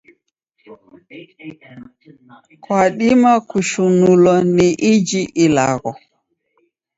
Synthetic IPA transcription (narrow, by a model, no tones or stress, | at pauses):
kwaɗimakuʃunulɔnɛʔid͡ʒiʔila̰ɡɔ